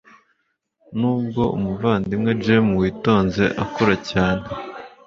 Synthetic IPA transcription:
nuːb̚ɡo̞ṵmuvaːndimŋe̞d͡ʒe̞muwiːto̞ːnze̞ʔakoɾacaːnhe

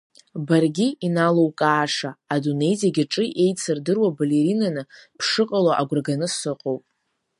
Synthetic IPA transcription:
barɡʲiinalo̞wkʼaːʂaːdune̞jziaɡʲɪʈ͡ʂʼɨʔe̞jt͡sʰɨrdɨrwabale̞ɾinanɨpʰʂɨqʼalaʔaɡʷʊrɡanɨsɨqʼowpʼ

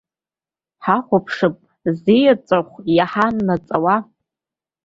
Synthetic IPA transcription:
ħaχʷʊpʰʂɨpʼ | zijat͡sʼaχʷjaħanːat͡sʼawa

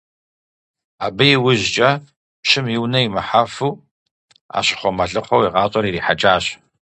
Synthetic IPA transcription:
aːbɐjɪwʊʑt͡ʃʼɐ | pɕɪmjiwnɐjimɨħafuː | a̰ːɕʼɪ̥χʷɔmɐɮɨχʷɔwiʁɑːtʼɔɾiriːħat͡ʃʼaːɕ

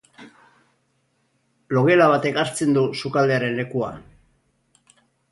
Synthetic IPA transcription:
lo̞ɣe̞laβ̞at̪e̞kaɾt͡se̞nd̪usukald̪eaɾe̞nle̞kua̰

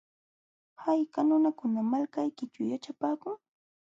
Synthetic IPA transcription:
hajkanʊnakʊnamalkajkɪt͡ʃʊjat͡ʃapaːkʊŋ

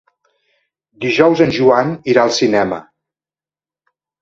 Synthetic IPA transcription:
d̪iʒɔwzənʒuaniɾaəlˠsinɛmə̰

